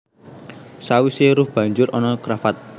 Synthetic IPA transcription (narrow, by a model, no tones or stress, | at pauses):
sawiseɾʊhb̥ä̤ɲd͡ʒʊɾɔnɔkɾafat̪̚